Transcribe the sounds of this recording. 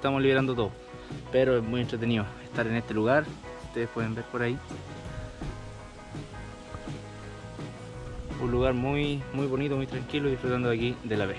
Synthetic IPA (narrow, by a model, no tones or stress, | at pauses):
t̪amoliβeɾand̪ot̪̬o | peɾoezmujent̪ɾe̞t̪̬enioest̪aɾenest̪eluɣaɾ | ust̪eespwe̞ðembe̞ɾpoɾai | unluɣaɾmujmujβo̞nit̪omujt̪ɾaŋkiloiðifɾut̪and̪akid̪elaβe